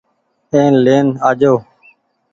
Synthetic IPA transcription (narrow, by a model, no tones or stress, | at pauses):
ẽːnleːnaːd͡ʒoː